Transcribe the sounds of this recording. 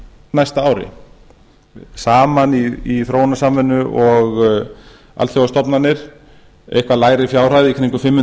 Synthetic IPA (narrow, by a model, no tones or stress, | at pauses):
najst̪aaːwɾɪ̰ | saːmaniiθɾoːwnasamvɛnːʏʔɔɣ | a̰lt̪θjowast̪ɔpnanːɪɾ̥ | ḛjhkvalaːjɾɪfjaːwr̥ajðɪikʰɾiŋkʏfɪmːɪ